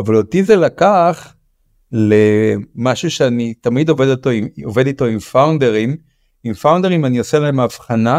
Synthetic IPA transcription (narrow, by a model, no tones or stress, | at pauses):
avalotizelakaχ | le̞maʃuʃeanit̪amid̪ove̞dot̪o̞imove̞d̪ito̞imfawnde̞ʁim | imfawndeʁimanioselaemaːfχana